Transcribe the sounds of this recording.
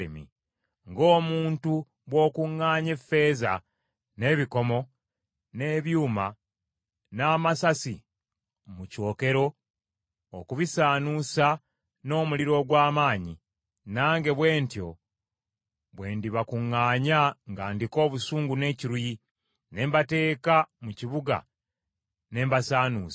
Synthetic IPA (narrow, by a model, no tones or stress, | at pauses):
emḭ | ŋɡo̞ːmuːntu | βwo̞ːkuŋːaːɲe̞fːe̞ːza̰ | ne̞ːβiko̞mo̞ | ne̞βjuːma | naːmasasi | muco̞ːke̞ɾo̞ | okuβisaːnusa | no̞ːmuliɾo̞ɡwaːmaːɲi | naːŋɡe̞βwe̞ːntjo̞ | βwe̞ːndiβakuŋːaːɲaŋɡaːndiko̞ːβusuːŋɡune̞ːciɾuji | ne̞ːmbate̞ːkamuciβuɡa̰ | ne̞ːmbasaːnuːsḁ